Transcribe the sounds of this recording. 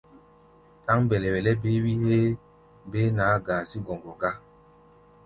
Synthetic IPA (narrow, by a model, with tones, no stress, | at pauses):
ta˦ŋbɛ˨lɛ˨wɛ˨lɛ˦beː˦wi˦he˦ | be˦naː˨˦ɡa˨si˦ɡɔ˨ŋɡɔ˨ɡa˦